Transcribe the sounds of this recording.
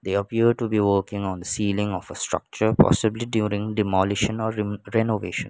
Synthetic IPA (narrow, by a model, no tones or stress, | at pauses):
d̪eːəpiəɖ̚ʈubiʋəːkɪ̃ŋɔ̃nd̪əsiːlɪ̃ŋɔfəsʈɾʌ̰k̚t͡ʃəɾpɔ̰sɪbliɖjuːɾɪ̃ŋɖɪmɔlɪʃə̃nɔːɾɛnoʋeːʃə̰̃n